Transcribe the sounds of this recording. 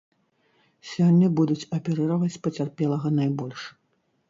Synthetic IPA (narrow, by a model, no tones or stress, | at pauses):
sʲɔnʲːɐbud̪ut͡sʲɐpʲɛɾɨɾɐvɐt͡sʲpɐt͡sʲarpʲɛlˠɐɣɐnajbɔlʲʂ